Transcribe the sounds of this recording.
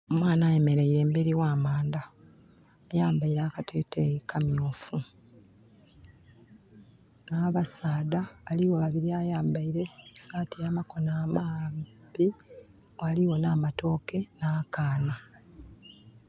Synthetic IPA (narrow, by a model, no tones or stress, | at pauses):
omwaːnaːje̞me̞ɾeiɾe̞ːmbeɾiwaːmaːndaː | jaːmbaiɾaːkatʰe̞tejikʰamjoːfu | naːβasaːdaːliwoβaβiɾiaːjaːmbaiɾe̞saːtijaːmako̞naːmambi | aliwo̞naːmato̞ːke̞naːkaːna